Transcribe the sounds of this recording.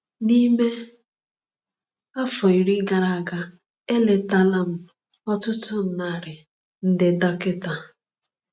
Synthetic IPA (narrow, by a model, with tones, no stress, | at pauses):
ni˦me˦ | a˦fɔ˨i˨ɾi˦ɡa˨ɾa˨a˨ɡa˨ | e˦le˨ta˦la˦m̩˦ | ɔ˦tʊ˦tʊ˦n̩˨na˦˨ɾɪ˨ | n̩˦dɪ˨da˦kɪ˦ta˨